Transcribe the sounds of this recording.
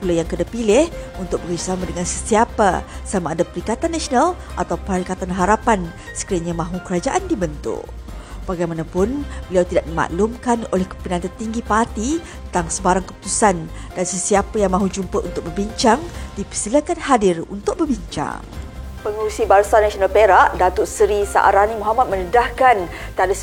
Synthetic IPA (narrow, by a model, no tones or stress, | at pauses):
pulajaŋkədapilɪhunt̪ʊk̚bəɡasamãdəŋansəsiapa̰samaːdapəɾikat̪anːasonal | ʔat̪awpaɾikat̪anɦaɾapan | sə̥kɾiaɲamãɦukəɾad͡ʒaʔandibənt̪ʊ̰ʔb̥aɡajmanãpʊnbəliawt̪idaʔ̚dima̰ʔlumkanolɛhkə̥pənãnt̪ərt̪iŋɡipart̪i | t̪aŋsəbaɾaŋkəpu̥t̪usan | d̥ansəsiapəjaŋmãɦud͡ʒumpəʔṵnt̪ʊk̚bərbiɲt͡ʃaŋdipəsiləkanhadɪrunt̪ʊk̚bərbiɲt͡ʃa̰ŋ | pəŋuɾusibaɾsanasionalpeɾaʔdat̪ʊʔsəɾisa̰ʔa̰ɾanimoɦamat̪̚mənədahkan | t̪ada